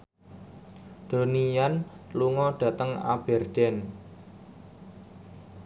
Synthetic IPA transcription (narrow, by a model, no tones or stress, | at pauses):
d̪̥o̤nijanluŋɔɖ̥ä̤t̪əŋa̰b̥ɛ̤rɖ̪̥ɛn